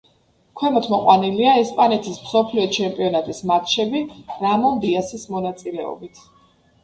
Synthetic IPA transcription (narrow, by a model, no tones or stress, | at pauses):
kʰwɛmɔt̪ʰmɔqʼwaniliaɛspʼanɛt̪ʰismsɔpʰliɔt͡ʃʰɛmpʼiɔnat̪ʼismat̪ʼʃɛbiɾamɔnd̪iasismɔnat̪sʼilɛɔ̰bit̪ʰ